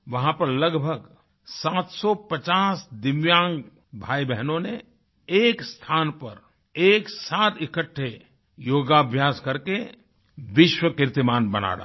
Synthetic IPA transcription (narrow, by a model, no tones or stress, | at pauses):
ʋɐɦãpɐɾləɡbʱəɡ | saːt̪sɔpət͡ʃaːsd̪ɪʋjãːŋɡ | bʱaːibɛɦnõne | eːkst̪ʰaːnpɐɾ | eːksaːt̪ɪkəʈʰːe | joːɡabʱjaːskɐɾke | ʋɪʃwəkɪɾt̪ɪmaːnbɐna̰ːɾa̰